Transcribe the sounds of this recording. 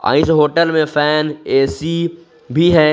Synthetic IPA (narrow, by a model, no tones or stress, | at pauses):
a̰ːɪ̃sɦoːʈəlmẽfɛːneːsi | bʱiɦɛː